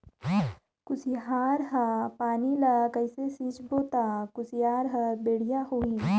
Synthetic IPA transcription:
kʊsiɦaːɾɦapaːnilakəɪsesiːt͡ʃboːt̪aːkʊsijaːɾɦɐbeːɽijaɦoːiː

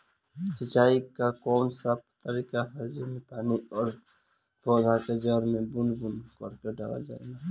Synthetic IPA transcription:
sɪt͡ʃaːikakɔːnsəb̚t̪əɾiːkaɦɛd͡ʒɪmẽpaːniɔːɾ | bɔːd̪ʱaked͡ʒəɾmẽbʊnbʊnkəɾkeɖaːla̰d͡ʒa̰ːḛɡa

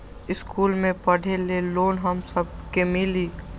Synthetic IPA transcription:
ɪskuːlmẽpəɽ̤ʱeleloːnɦəmsəb̚kemɪliː

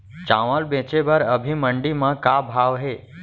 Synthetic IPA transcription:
t͡ʃãʋəlbẽt͡ʃebəɾəbʱiməɳɖimãkabʱaʋɦe

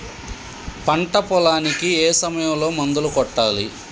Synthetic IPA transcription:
pɐɳʈɐpɔlaːnikieːsɐmɐjɐmlo̞ːmɐnd̪ulukɔʈːaːli

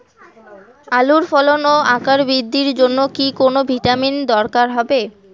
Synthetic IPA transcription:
aluɾfɔlonoakaɾbɾid̪ʱːiɾd͡ʑonːokikonobʱiʈamind̪ɔɾkaɾɦɔbe

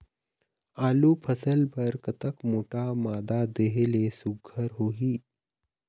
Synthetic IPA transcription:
aːluːpʰəsəlbəɾkət̪əkmoːʈamad̪ad̪eɦelesuɡʱəɾɦoɦiː

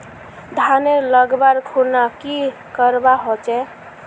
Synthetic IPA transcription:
d̪ʱaneləɡbaɾkʰonaki | kəɾbaɦot͡ʃɛ

